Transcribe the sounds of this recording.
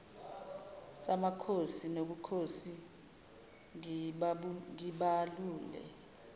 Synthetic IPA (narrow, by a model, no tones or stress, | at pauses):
samakʰosinoɓukʰosi | ŋiɓaluːlɛ̰